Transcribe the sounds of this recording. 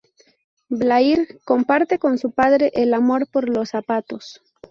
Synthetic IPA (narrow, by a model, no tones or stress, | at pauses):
blaiɾko̞mpaɾt̪e̞ko̞nsupaðɾeʔelamo̞ɾpoɾlo̞sapat̪o̞s